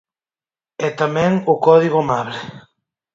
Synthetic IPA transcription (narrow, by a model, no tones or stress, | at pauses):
ɛt̪amɛ̃ŋʊkɔðiɣ̞ʊamaβlɪ